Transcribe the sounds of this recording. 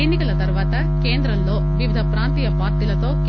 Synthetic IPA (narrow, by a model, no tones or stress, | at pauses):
enːikɐlɐt̪ɐɾuʋaːt̪ɐ | keːnd̪ɾɐmlo̞ːʋiʋid̪ʱɐpɾaːnt̪iːjɐpaːɾʈiːlɐt̪o̞ːk